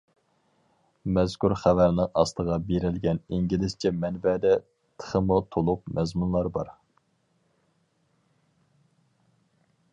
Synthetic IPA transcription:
mɛzkʰʲuɾχævæɾnɪŋɑst̪əʁɑbeɾɪlɡʲɛniŋɡʲilɪst͡ʃʰɛmɛnbɛd̪ɛ | t̪ʰə̥χəmut̪ʰolˠup̚mɛzmunlˠɑɾbɑɾ

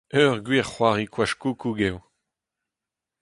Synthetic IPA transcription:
œʁɡɥiʁχwaːʁikwaʃkukuɡɛw

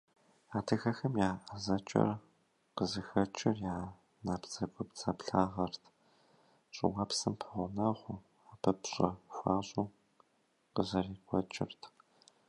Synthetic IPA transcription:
aːtʰɨxɐxɐmjaːʔɐzɐt͡ʃʼɐ̰r | qəzɨxɐt͡ʃʼɪrjaː | naːpt͡sʼɐɡʷʊpt͡sʼaːpɬaːʁɐrtʰ | ɕʼɪ̰wapsɨmpʰɐʁʷʊnɐʁʷʊ | aːpʰɐpɕʼɐxʷaːɕʼuː | qəzɐriːkʷʰʼɔt͡ʃʼɪ̰rtʰ

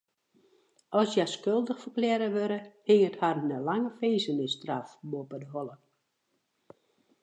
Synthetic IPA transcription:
ɔsjaskølˠdəxfərklɛːɾəʋøɾəhɪŋətharnəlaŋəfeːzənɪstrafmoəpədəɦɔlˠə

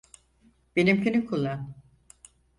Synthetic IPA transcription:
b̥enimcʰynykʰulˠːan

